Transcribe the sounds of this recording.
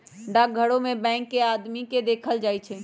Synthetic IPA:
ɖak̚ɡʱəɽõmẽbɛ̃ɪŋkːead̪miked̪eːkʰəld͡ʒaːjt͡ʃʰɛ

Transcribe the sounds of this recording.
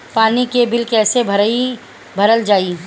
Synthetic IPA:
paːnikebɪlkɛːsebʱɐi | bʱɐɾəld͡ʒaːi

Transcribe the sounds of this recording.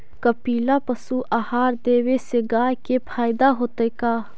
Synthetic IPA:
kəpiːlapəsuʔaːhaːɾd̪eːweseɡaːjkepʰaːjd̪aɦoːt̪ejkaː

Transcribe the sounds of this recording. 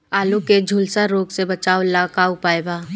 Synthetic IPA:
aːluked͡ʒʱulsaɾoːɡsebɐt͡ʃaːolaːkaːʊpaːebaː

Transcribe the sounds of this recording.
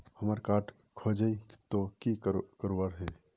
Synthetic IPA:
həmaːɾkaːʈ | kʰoːd͡ʒəi̥t̪okikəɾoʋaɾɦɛ

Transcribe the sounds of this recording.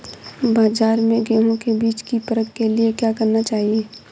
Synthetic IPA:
baːd͡ʒaːɾmẽɡɛːɦõkebiːt͡ʃkipɐɾəkkeliekjaːkɐɾnat͡ʃaːɦieː

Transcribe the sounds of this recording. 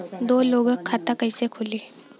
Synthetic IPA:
d̪oːloːɡəkʰːat̪akəɪsekʰʊli

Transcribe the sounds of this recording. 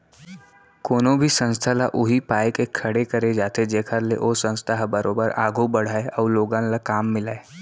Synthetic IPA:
koːnõbʱisə̃nst̪ʰalaʔʊɦipaːekekʰːɐɽekɐɾed͡ʒaːt̪ed͡ʒeːkʰəɾleʔoːsə̃nst̪ʰaɦbəɾoːbəɾaːɡubɐɽ̤aːeʔɔːɾloːɡãnlakaːmːɪlaːe

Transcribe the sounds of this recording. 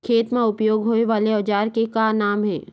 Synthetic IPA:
kʰeːt̪mẽʊpjoːɡɦoːeʋaːleɔːd͡ʒaːɾkekanaːmɦɛ̰ː

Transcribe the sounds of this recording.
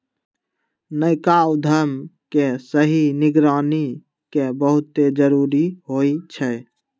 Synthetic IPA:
nəɪkaːwd̪ʱəmkesəɦinɪɡɾaːni | kebəɦʊt̪ed͡ʒəɾuːɾiɦoit͡ʃʰɛ

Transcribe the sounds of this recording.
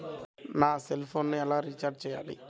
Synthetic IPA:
naːselpʰoːnnuɛlaːɾit͡ʃaɾɖ̚t͡ʃɛja̰ːlḭ

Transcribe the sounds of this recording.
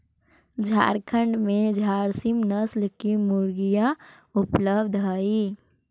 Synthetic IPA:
d͡ʒʱa̰ːɾkʰəɳɖmẽd͡ʒʱaːɾsimnəslkimʊɾɡija | ʊpləbd̪ʱɦaːi

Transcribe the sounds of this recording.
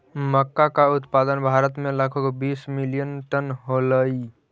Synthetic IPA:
məkːakaut̪pad̪ənbʱaɾət̪melakʰokbismilijənʈənɦoləj

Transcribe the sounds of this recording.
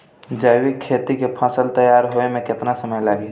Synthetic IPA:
d͡ʒəjwɪkʰːeːt̪ikepʰəsəlt̪əjaːɾɦoemẽkɪt̪nasəməjlaːɡi

